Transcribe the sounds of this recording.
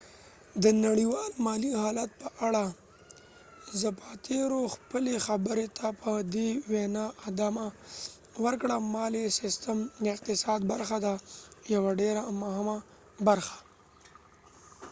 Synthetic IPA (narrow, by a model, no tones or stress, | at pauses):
d̪ənaɽiwɑlmɑlihɑlat̪̚pəʔaɽa | zəpɑt̪ʰeɾoxpəlexabəɾet̪ʰapʰəd̪ewenɑʔːd̪ama | wəɾkɽamɑlesɪst̪əmd̪əɪq̚t̪ɪsɑd̪baɾxad̪ajawaɖeɾamʊhɪma | baɾxḁ